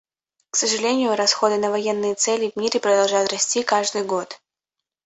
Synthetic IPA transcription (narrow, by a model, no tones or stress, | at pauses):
ksəʐɨlʲenʲɪjʊɾɐsxo̞d̪ɨnəvɐjenːɨjət̪sɛlʲɪvʲmʲiɾʲɪpɾəd̪ɐlˠʐajt̪rɐsʲtʲikaʐd̪ɨjɡo̞t̪